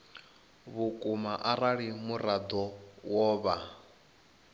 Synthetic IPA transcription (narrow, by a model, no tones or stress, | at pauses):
βukʼumaʔaɾaɺimuɾad̪ɔwɔːβa